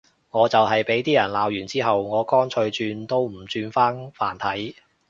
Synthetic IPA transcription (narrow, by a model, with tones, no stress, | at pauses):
ŋɔː˨˧t͡sɐ˨wɦɐ˨jpe˨˥jt̪iː˥jɐ˨˩nlaː˨wjyː˨˩nt͡siː˥ɦɐ˨wŋɔː˨˧kɔː˥nt͡ʃʰɵ˧ɥt͡ʃyː˧nt̪o˥wm̩˨˩t͡ʃyː˧nfaː˥nfaː˨˩nt̪ʰɐ˨˥j